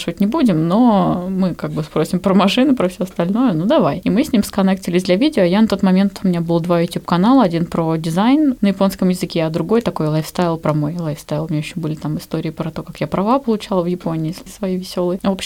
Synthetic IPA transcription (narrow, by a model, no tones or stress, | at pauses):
ʂɨvətʲnʲɪbudʲɪmno̞mɨkaɡ̚bɨspɾo̞sʲɪmpɾəmɐʂɨnʊpɾəfsʲɵɐst̪ɐlʲnojʊnud̪ɐvajimɨsʲnʲimskɐnɛk̚tʲɪlʲɪsʲdlʲɐvʲidʲɪoːɐjanɐt̪o̞t̪mɐmʲe̞nt̪ʊmʲɪnʲabɨlˠd̪vajʊtʲjupkɐnalˠəɐdʲinpɾodʲɪzajnnəjɪpo̞nskəmjɪzɨkʲeɐd̪ɾʊɡo̞jt̪ɐko̞jlˠajfst̪aɪlˠpɾɐmo̞jlˠajfst̪aɪlˠmʲnʲɲʲeɪɕːobɨlʲɪt̪amɨst̪o̞ɾʲɪːpɾɐt̪o̞kakjapɾɐvapəlˠʊt͡ɕalˠəvjɪpo̞nʲɪːssvɐjijvʲɪsʲo̞lˠəjopɕ